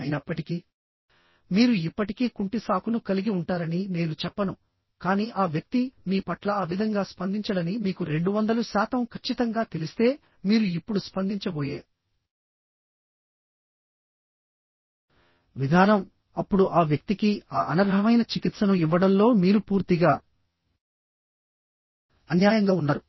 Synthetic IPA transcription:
ɐjnɐpːɐʈiki | miːɾuipːɐʈikiːkuɳʈisaːkunukɐliɡiuɳʈaːɾɐnine̞ːnut͡ʃɛpːɐnu | kaːniːʔaːʋjɐk̚t̪imiːpɐʈlɐaːʋid̪ʱɐŋɡaːspɐnd̪iɲt͡ʃɐɽɐnimiːkuɾe̞ɳɖuʋɐnd̪ɐlusaːt̪ɐmkʰɐt͡ʃːit̪ɐŋɡaːt̪e̞list̪e̞ː | miːɾuipːuɽuspɐnd̪iɲt͡ʃɐboːjḛː | ʋid̪ʱaːnɐm | ɐpːuɽuʔaːʋjɐk̚t̪ikiaːʔɐnɐɾɦɐmɐjnɐt͡ʃikit̪sɐnuiʋːɐɽɐmlo̞ːmiːɾupuːɾt̪iɡaː | ɐnjaːjɐŋɡaːunːɐɾu

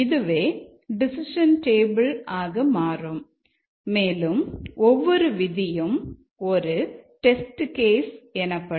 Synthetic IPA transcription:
ɪðɯʋeː | ɖɪsɪʂɐnʈeːbɐlaːɣɐmaːrɯmː | eːlɯmɔʋːɔɾɯʋɪðɪjɯm | ɔɾɯʈɛsʈkeːsɛnɐpːɐ

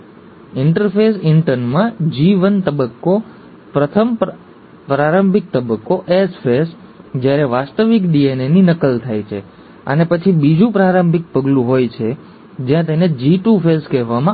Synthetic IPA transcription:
ɪɳʈəɾfʰesɪɳʈəɾnmãd͡ʒiʋənt̪əbəkːo | pɾət̪ʰəm | pɾaɾəmbʱik̚t̪əbəkːoʔesfʰesd͡ʒjaɾeʋast̪əʋikɖieneninəkəlt̪ʰajt͡ʃʰe | ə̰nepət͡ʃʰibid͡ʒũpɾaɾəmbʱik̚pəɡlũɦojt͡ʃʰe | d͡ʒjãt̪̬ened͡ʒiʈufʰeskɛɦʋamã

